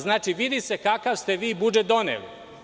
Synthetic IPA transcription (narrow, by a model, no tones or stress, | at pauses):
znaːt͡ʃiʋid̪ise̞kakaʋst̪eʋiːbud͡ʒet̪̚d̪o̞nḛlḭ